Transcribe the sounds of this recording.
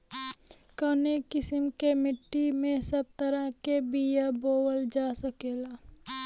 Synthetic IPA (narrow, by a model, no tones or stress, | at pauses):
kənekɪsɪmkemɪʈːimẽsəb̚t̪əɾəkebijaboːwəld͡ʒaːsəkeːlaː